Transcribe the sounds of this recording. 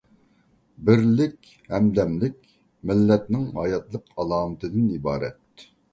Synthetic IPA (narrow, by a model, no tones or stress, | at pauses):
bɪɾlɪkʲ | hɛmd̪ɛmlɪkʲ | mɪlːɛt̪nɪŋhɑjɑt̪lˠəqʰɑlˠɑːmɨt̪ʰɨd̪ɪnibɑːɾɛ̰t̪